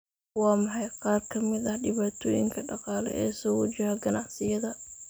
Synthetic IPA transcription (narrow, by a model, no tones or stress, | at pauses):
wɑːmɑħɑjqɑːrkʰɐmɪd̪ɐhɖɪβaːt̪ʰɔːjɪ̰ŋkʰɐɖɑqɑːlɛ̰ʔɛ̰ːsɔːwɐd͡ʒɐɦɐɡɐnɑʕsɪjɐðɐ